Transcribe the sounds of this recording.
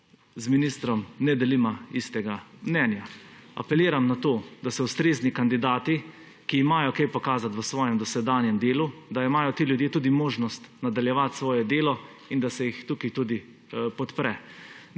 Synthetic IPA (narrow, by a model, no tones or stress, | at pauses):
zminist̪ɾɔmnɛd̪ɛlimaist̪ɛɡamnɛnjaa̰pɛliːɾamnat̪oːd̪asɛwst̪ɾeznikand̪id̪aːt̪i | kiːmaːjɔkejpɔkaːzat̪ʋəsʋɔːjɛmd̪ɔsɛd̪aːnjɛmd̪eːlud̪aimaːjɔt̪iːljud̪jeːt̪ud̪imoːʒnɔst̪nad̪aljɛʋat̪sʋɔːjɛd̪eːlɔ | ind̪asɛjixt̪ukit̪uːd̪i | pɔt̪pɾɛ